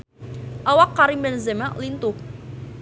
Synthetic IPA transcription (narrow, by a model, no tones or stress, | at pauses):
ʔawakːaɾimbɛnzɛmaʔlint̪ʊh̚